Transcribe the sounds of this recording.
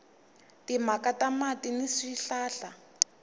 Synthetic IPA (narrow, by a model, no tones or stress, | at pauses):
timakatamatiniʂiɬaːɬa